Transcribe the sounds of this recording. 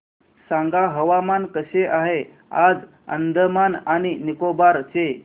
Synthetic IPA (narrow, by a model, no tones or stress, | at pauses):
saŋɡaɦəʋamankəɕeʔaɦe | ad͡z | ə̰nd̪əmanaɽ̃inikobaɾt͡se